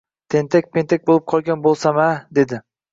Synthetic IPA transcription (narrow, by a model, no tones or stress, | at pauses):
t̪ʰe̞nt̪ʰak̚ʲpʰe̞nt̪ʰek̚ʲbolˠɪp̚qʰɒlˠɡʲanbolˠsamad̪e̞d̪ɪ